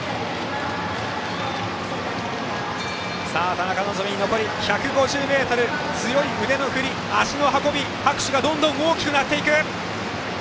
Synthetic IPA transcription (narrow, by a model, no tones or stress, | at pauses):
saːt̪anakanozoiɲino̞ko̞ɾʲiçakɯ̟ɡo̞ʑɨːme̞ːt̪oɾɯ̟ | t͡sɨjo̞iɯ̟d̪e̞no̞hɯ̟ɾʲi | aɕino̞ɦako̞bʲi | hakɯ̟ɕiɡad̪õ̞nd̪õ̞o̞ːkʲi̥kɯ̟nat̪ːe̞ikɯ̟